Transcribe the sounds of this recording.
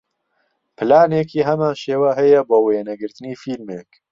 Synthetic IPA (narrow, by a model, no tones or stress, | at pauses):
pʰɨlaːneːkiːɦɛmaːnʃeːwaɦɛjɛboːweːnɛɡɨɾt̪ɨniːfiːlmeːk